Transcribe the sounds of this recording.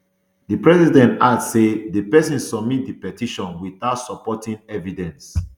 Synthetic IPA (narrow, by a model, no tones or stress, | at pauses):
dəpɹɛzidɛ̃ntatsedepɛsĩnsɔb̚mit̚dipɛtiʃɔ̃nwiθaʊtsɔpɔtĩnɛvidɛ̃ns